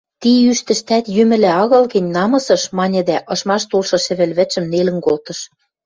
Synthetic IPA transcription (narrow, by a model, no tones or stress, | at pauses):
t̪iyʃt̪ɘ̆ʃt̪æt̪jymɘ̆læɑɣɤ̆lɣɘ̆nʲnɑmɤ̆sɤ̆ʃmɑnʲɘ̆d̪æʔɤ̆ʃmɑʃt̪ulʃɤ̆ʃɘ̆βɘ̆lβɘ̆t͡ɕɘ̆mnelɘ̆nkolt̪ɤ̆ʃ